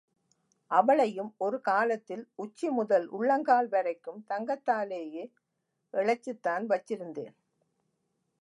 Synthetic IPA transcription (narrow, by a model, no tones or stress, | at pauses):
ʔɐʋɐɭɐjɯmɔɾɯkaːlɐt̪ːɪlʊt͡ʃːimʊðɐlʔʊ̰ɭːɐŋɡaːlʋɛɾɐɪkːɯmt̪ɐŋɡɐt̪ːaːleːjeː | ʔɛɭɐt͡ʃːɯt̪ːaːnʋɐt͡ʃːɪɾɯnd̪ḛːn